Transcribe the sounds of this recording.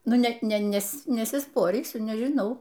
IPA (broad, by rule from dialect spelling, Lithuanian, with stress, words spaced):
ˈnʊ ˈnʲɛt ˈnʲɛs nʲɛsʲɪˈspoːrʲiːsʲʊ nʲɛʒʲɪˈnɐʊ